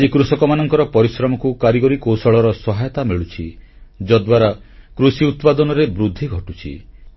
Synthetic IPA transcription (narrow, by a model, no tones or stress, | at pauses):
d͡ʒikɾusɔkɔmanɔŋkɔɾɔpɔɾisɾɔmɔkukaɾiɡɔɾikowsɔɭɔɾɔsɔɦajɔt̪amiɭut͡ʃʰi | d͡ʒɔd̪waɾakɾusiut̪pad̪ɔnɔɾebɾud̪ʱːiɡʱɔʈut͡ʃʰḭ